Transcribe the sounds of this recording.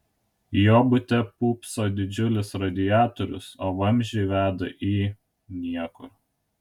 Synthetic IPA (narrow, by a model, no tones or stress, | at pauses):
joːbʊt̪ʲɛpuːpsoːd̪ʲɪd͡ʒʲʊlʲɪsɾɐd̪ʲɪjæːt̪ɔɾʲʊ̰soːʋɐmʲʒʲeɪʋʲæːd̪ɐ̰ʔiː | nʲiɛkʊɾ